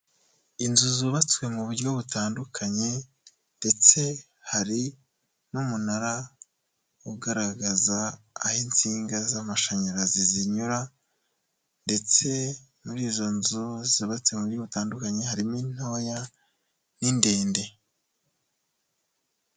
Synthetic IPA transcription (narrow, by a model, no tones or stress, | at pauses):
inzuzuβat͡swe̞muβuɾjɟo̞βutaːndukʰaɲe̞ | nde̞t͡se̞ | haɾi | numunaɾa | uɡaɾaɡaza̰ːhint͡siːŋɡazamaʃaɲaɾaziziɲuɾa | nde̞t͡se̞ | muɾiːzo̞nzuziβat͡swe̞muβuɾɟoβutaːndukaɲe̞haɾimin̥ho̞ja | ninde̞ːnde̞